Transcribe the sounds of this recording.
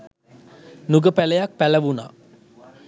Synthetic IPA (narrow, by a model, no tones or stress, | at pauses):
nuɡəpæləjak̚pæləʋuna̰